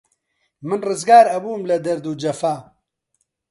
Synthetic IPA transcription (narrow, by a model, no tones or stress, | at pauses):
mɨnrɨzɡaːɾɐbuːmlɐd̪ɐɾd̪ud͡ʒɐfaː